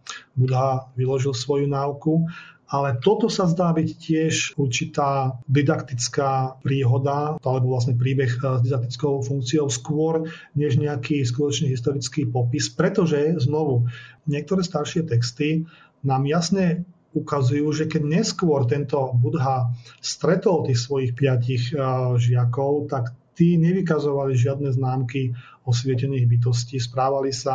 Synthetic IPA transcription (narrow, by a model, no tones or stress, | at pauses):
bud̪ɦaʋilɔʒilsʋɔjunaukuʔalɛt̪ɔt̪ɔsazd̪aːbiccɪɛʃuɾt͡ʃit̪aːd̪id̪akt̪it͡skaːpɾiːɦɔd̪aalɛbɔʋlas̬ɲɛpɾiːbɛxzd̪id̪ak̚t̪it͡skɔʊfuŋk̚t͡sijɔʊskʊɔɾ | ɲɛʒɲɛakiːs̬kut̪ɔt͡ʃɲɛɦist̪ɔɾit͡skiːpɔpispɾɛt̪ɔʒɛznɔʋuɲɪɛk̚t̪ɔɾɛːst̪aɾʃɪɛt̪ɛkst̪i | naːmjasɲɛ | ukazujuːʒɛkɛɟɲɛskʊɔɾt̪ɛnt̪ɔbud̪ɦast̪ɾɛt̪ɔlt̪iːxsʋɔjixpɪaciɣʒɪakɔʊt̪akt̪iːɲɛʋikazɔʋaliʒɪad̪nɛznaːmki | ɔsʋɪɛcɛniːɣbit̪̬ɔsciːspɾaːʋalisa